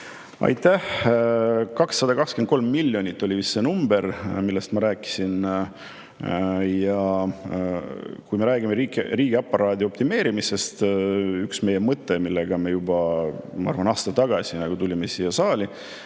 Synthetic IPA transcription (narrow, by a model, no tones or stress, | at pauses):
ɑ̰jt̪æh | kɑksːɑd̪ɑkɑkskent̪ko̞lmːilʲːjo̞nʲit̪ːˑo̞lʲivist̪ːenumbe̞ɾmilːest̪mɑɾæːkːˑi̥sin | jɑ | kujme̞ɾæːɡimeɾikriːɡ̥iɑpːˑɑɾɑːd̪ʲio̞pt̪ime̞ːɾimise̞st̪yksme̞jemɤt̪ːˑe̞milːeɡ̥ɑme̞jubɑmɑɑrvɑnɑːst̪ɑt̪ɑɡ̥ɑsʲinɑɡ̥ut̪ulʲimesiːjːɑsɑːlʲi